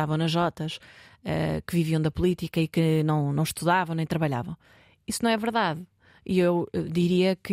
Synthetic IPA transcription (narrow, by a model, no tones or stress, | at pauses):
avɐ̃w̃nɐʒɔt̪ɐʃɛ̰kɨviviɐ̃w̃d̪ɐpulˠit̪ikɐikɨnɐ̃w̃nɐ̃w̃ʃt̪uðavɐ̃w̃nẽj̃t̪ɾɐβɐʎa̰vɐ̃w̃ | isunɐ̃w̃ɛvɨɾðað | iewɛd̪iɾiɐkɨ